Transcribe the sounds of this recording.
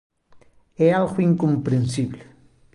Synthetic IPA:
ealɣʊiŋkompɾensiblɪ

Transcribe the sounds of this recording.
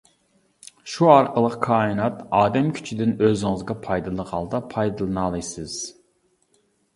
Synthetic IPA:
ʃuɑɾqʰəlˠəqkʰɑːinɑt̪ɑːd̪ɛmkʲʰy̥t͡ʃʰid̪ɪnøzɪŋɨzɡʲɑpʰɑjd̪ɨlˠəʁɑlˠd̪ɑpʰɑjd̪ɨlˠɨnɑlˠɨjsɨz̥

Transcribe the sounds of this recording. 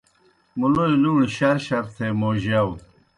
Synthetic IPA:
muloeluːɳɕɐɾɕɐɾt̪ʰemoːʑɐw

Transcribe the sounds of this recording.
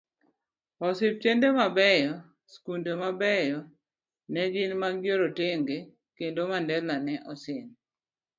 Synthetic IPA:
ɔsɪp̚t͡ʃendemabɛjɔ | skundomabɛjɔ | nɛd͡ʒɪnmaɡɡjoɾoteŋɡe | kendomandɛlanɛʔɔsɪn

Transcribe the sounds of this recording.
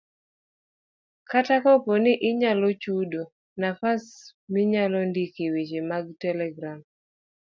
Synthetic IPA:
katakɔpɔnɪʔɪɲalɔt͡ʃudo | nafasmiɲalɔndikewet͡ʃemaɡ̚tɛlɛɡɾam

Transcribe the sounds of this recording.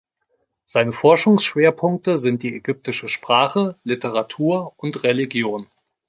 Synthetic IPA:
z̥aɪnəfɔɐʃʊŋsʃv̥eːɐpʰʊŋk̚təzɪnt̚d̥iːɛɡʏp̚tɪʃəʃpʁ̥aːχəlɪtʰəʁ̞atʰuːɐʊntʁeliɡjoːn

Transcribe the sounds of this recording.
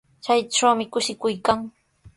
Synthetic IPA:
t͡ʃajʈ͡ʂawmɪkʊʃɪkʊjkaŋ

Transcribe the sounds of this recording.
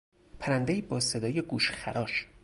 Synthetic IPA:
pʰæɾænd̪eiːbɒːsed̪ɒːjeɡuːʃxæ̰ɾʔɒːʃ

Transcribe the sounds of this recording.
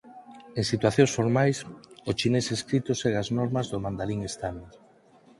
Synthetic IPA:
eŋsit̪waθjõŋsfoɾmajsot͡ʃineseskɾit̪ʊsɛɣaznɔɾmɐzðomãnd̪aliŋest̪ame

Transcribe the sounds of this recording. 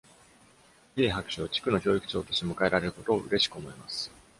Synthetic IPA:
jeːɦakɯ̟̥ɕoːt͡ɕi̥kɯ̟no̞çʲo̞ːikɯ̟̥t͡ɕo̞ːt̪o̞ɕt̪emɯ̟kae̞ɾaɾe̞ɾɯ̟ko̞t̪o̞̰ːʔɯ̟ɾe̞ɕi̥kɯ̟omo̞emasɨ̥

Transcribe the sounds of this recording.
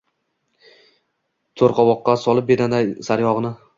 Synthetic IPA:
t̪ʰoɾqʰɒwɒqːɑsɒlˠɪp̚bed̪and̪asaɾjɒʁɨnɪ

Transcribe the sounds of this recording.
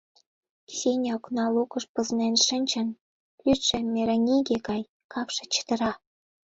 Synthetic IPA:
sʲenʲoknɑlukə̆ʃpə̆znenʃənʲt͡ɕə̆n | lʲyt̪ʃĕmʲeɾɑnʲiɡekɑj | kɑpʃĕ̥t͡ɕə̥t̪ə̆ɾɑ

